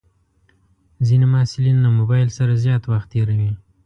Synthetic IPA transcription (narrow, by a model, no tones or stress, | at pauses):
zinemaasɪlinlamobɑjlsaɾazjɑt̪waxt̪ːeɾawi